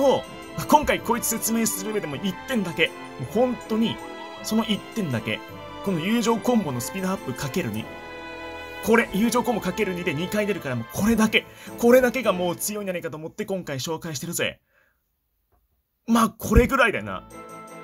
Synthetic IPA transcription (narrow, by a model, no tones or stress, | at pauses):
o | makõ̞ŋkaiko̞ːit͡sɨ̥set͡sɨme̞ːsɨɾɯbe̞d̪e̞moʔit̪ːẽ̞nd̪ake̞ | mohõ̞nt̪o̞ɲ̟i | so̞no̞ʔit̪ːẽ̞nd̪ake̞̰ | kõ̞no̞jɯ̟ːʑo̞ːkõ̞mbo̞no̞sɨ̥pʲid̪oapːɯ̟kake̞ɾɯ̟ɲ̟ḭ | ko̞ɾe̞jɯ̟ːʑo̞ːkõmbo̞kake̞ɾɯ̟ɲ̟id̪e̞ɲ̟ikaid̪e̞ɾɯ̟kaɾamo̞kʰo̞ɾe̞d̪ake̞ko̞ɾe̞d̪ake̞ɡamo̞ːt͡sɨjo̞ĩd͡ʑanaikat̪oːmot̪ːe̞kõ̞ŋkaiɕo̞ːkaiɕi̥t̪e̞ɾɯ̟zoḛ | maːkʰo̞ɾe̞ɡɯ̟ɾaid̪ajona̰